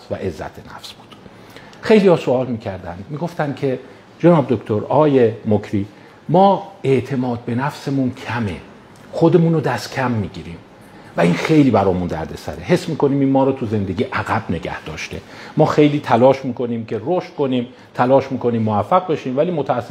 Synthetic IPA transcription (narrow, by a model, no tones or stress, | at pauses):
væ̰ʔe̞zːæ̰t̪ʰenæ̰fsb̥uːd̪̥ | xe̞jlihɒːsoɒːlmiːcʰæɾd̪æ̰nd̪miːɡo̞ft̪ænd̪̚kʰe̞ | d͡ʒenɒːbd̪okt̪ʰoɾɒːjemokʰɾiː | mɒːe̞ʔt̪ʰe̞mɒːd̪̚be̞næfse̞muncʰæme | xod̪e̞muːnod̪æst̪kʰæmːiːɟiːɾiːm | væinxe̞jliːbæɾɒːmund̪æ̰ɾd̪esæ̰ɾehe̞smiːkʰo̞niːmiːnmɒːɾɒːt̪ʰuze̞nd̪e̞ɡʲiːʔæɣæb̥ne̞ɡæ̰hd̪̥ɒ̰ːʃt̪e̞̰mɒːxe̞jliːt̪ʰælɒːʃmiːkʰo̞niːmcʰe̞roʃt̪̚ko̞niːm | t̪ʰælɒːʃmiːkʰo̞niːmːoæfːæɣ̚be̞ʃiːmvæliːmot̪ʰæːsː